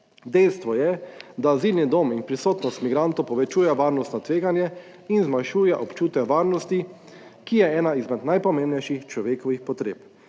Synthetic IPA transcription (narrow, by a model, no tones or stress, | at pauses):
d̪ɛjst̪ʋɔjɛd̪aziːlnid̪ominpɾisoːt̪nɔst̪miɡɾant̪ɔwpɔʋɛt͡ʃuːjɛʋaːɾnɔst̪nɔt̪ʋeːɡanjɛ | inzmajʃuːjɛʔɔpt͡ʃuːt̪ɛʋaːɾnɔst̪i | kijɛɛːnaizmɛt̪najpɔmẽːmnɛjʃixt͡ʃlɔʋeːkɔʋixpɔt̪ɾḛːp